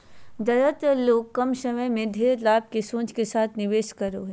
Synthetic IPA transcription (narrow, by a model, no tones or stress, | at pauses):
d̪ɐɾət̪loːɡkɐmʃɐməjmẽd̪ʱeːɾlaːb̚kesõːt͡ʃkesaːt̪ʰnɪʋeːʃkɐɾoːɦ